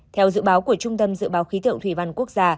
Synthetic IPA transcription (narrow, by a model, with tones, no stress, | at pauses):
t̪ʰɛ˧wzɨ̰˧˨ɓaː˨˦wku˧˩ət͡ɕʊ˧ŋ͡mt̪ə˧mzɨ̰˧˨ɓaː˨˦wxi˨˦t̪ʰɨ̰˧˨əŋt̪ʰwi˧˩va˧˩nku˦˥ək̚zaː˧